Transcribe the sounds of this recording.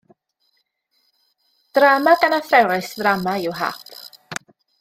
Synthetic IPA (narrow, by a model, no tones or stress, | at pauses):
d̥ramaɡanafrɛwɾɪsvramaɪwɦa̰ːpʰ